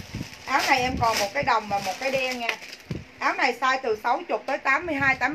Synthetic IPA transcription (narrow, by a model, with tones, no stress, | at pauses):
ʔaː˨˦wna˨˩jʔɛ˧mkɔ˨˩nmo˨˩t̚kaː˨˦jɗə˨˩wŋ͡mmaː˨˩mo˨˩t̚kaː˨˦jɗɛ˧nɲɛː˧˩ʔaː˨˦wna˨˩jsaː˧jt̪ɨ˨˩sa˨˦wt͡ɕʊ˨˩k͡p̚t̪əː˨˦jt̪aː˨˦mːɨ˧əjɦaː˧jt̪aː˨˦